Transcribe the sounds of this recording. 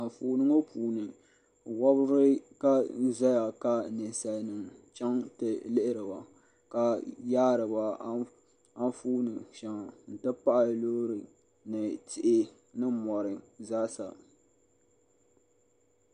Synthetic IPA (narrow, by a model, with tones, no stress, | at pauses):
a˨fuː˨˦nɨ˦ŋo˦pʰuː˨nɨ˨ | wɔ˦bɨ˦ɾɨ˦ka˦n̩˦za˦ja˨ka˨nɪ˨n˨sa˨nɨ˨ŋt͡ʃa˦ŋtɨ˨lɪ˦ʔɪ˦ɾɨ˨ba˨ | ka˨jaː˦ɾɨ˨ba˨ | a˦fu˦nɨ˨ʃa˨ŋ˨n̩˨tɨ˦pa˦ʔa˨lo˦ɾɨ˨ | nɨ˨tʰɪ˨ʔɪ˦ | nɨ˦mɔ˨ɾɨ˨zaː˦sa̰˨